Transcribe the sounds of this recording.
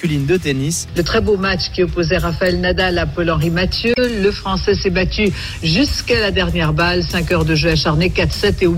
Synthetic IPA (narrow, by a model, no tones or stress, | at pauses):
ylind̪ət̪enislət̪χɛbomat͡ʃkʲiɔpozɛʁafaɛlnad̪alapɔlɑ̃ʁimat̪jøləfχɑ̃sɛsɛbat̪y | ʒyskalad̪ɛʁnjɛʁbalsɛ̃kœʁd̪əʒøaʃaʁnekat̪χsɛt̪e